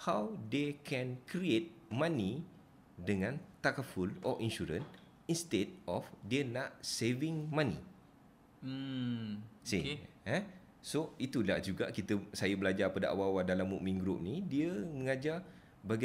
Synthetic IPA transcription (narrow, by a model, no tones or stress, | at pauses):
hawdekʰɛ̃nkɾiet̪̚mãni | dəŋãnt̪akəfulɔ̰ʔĩnʃuɾə̰n | ĩnst̪etɔfdənaʔseviŋmãnḭ | sḭ | ɛ | soit̪ula̰ʔd͡ʒuɡa̰ʔkit̪əsajəbəlad͡ʒarpadaʔa̰wawadalamṵʔmĩŋɡɾʊp̚nidiəmə̃ŋad͡ʒa | baɡa